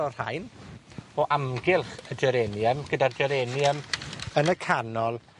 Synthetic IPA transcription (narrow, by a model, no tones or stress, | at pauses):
ɔr̥a̰jn | ɔʔamɡɪlˠχəd͡ʒɛɾɛnjəmɡ̥ədard͡ʒɛɾɛnjəmənəkʰanɔlˠ